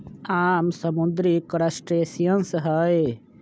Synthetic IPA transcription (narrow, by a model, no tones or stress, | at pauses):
aːmsəmud̪ɾikɾəsʈɾeːsijənsɦəj